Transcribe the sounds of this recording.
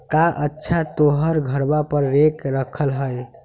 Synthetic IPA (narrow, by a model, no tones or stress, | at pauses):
kaʔətːʃʰat̪oɦəɾɡʱəɾbapəɾːekɾəkʰəlɦəj